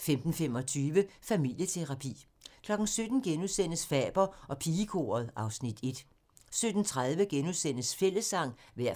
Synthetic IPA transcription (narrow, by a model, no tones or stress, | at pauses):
femd̥n̩fem̰ɒ̽t͡sʰyːʋəfæmil̰jət͡sʰe̝ʁɑ̈pʰḭː | kʰlɒ̽ɡ̥n̩sød̥n̩ɡ̥enuðˠsen̰əsfɛ̰ːb̥ɐɒ̽pʰiːəkʰo̝̰ɐð̞ˠɑ̈ʊsnid̥e̝d̥ | sød̥n̩t͡sʰʁaðˠʋəɡ̥enusen̰əsfel̰əsːɑ̈ŋ̰ʋæɐ̰